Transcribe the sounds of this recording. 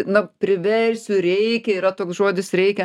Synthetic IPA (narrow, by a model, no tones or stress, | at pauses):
nʊpʲɾʲɪʋʲɛɾʲsʲʊɾʲɛɪkʲɛɪɾɐt̪oːksʒoːd̪ʲɪsɾʲɛɪkʲɛ